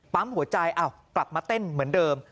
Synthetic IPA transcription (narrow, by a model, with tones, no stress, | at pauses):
t̪aː˦˥mhu˨˩˦ɐt͡ɕa˧jʔaː˧˩w | kla˨˩p̚maː˧t̪e˥˩nmɯ˩˦əndɤː˧m